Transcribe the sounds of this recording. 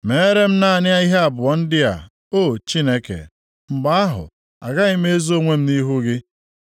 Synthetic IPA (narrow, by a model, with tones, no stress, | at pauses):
me˨˦ɾe˦m̩˦na˦a˨nɪ˦a˦i˦ɦe˦a˨bʊ˨ɔ˨n̩˦dɪ˦a̰˨ | o˦˨t͡ʃi˦ne˦kḛ˨ | ŋ͡m̩˨ɡ͡ba˦a˦ɦʊ̰˨ | a̰˨ɡa˦ɣɪ˦me˦zo˦ŋʷe˦m̩˦ni˦ɦu˦ɡɪ˦